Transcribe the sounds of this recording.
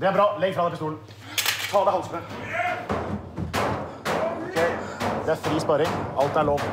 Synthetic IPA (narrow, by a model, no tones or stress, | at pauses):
d̪ɛæbɾɑːlɛɡfɾɑːd̪ɛpɔst̪uːln̩ | t̪ʰɑːd̪æhɑlsnə | ɔkʰeɪd̪ɛæɾfɾiːspɑɾɪŋʔɑlt̪æɭoːʋ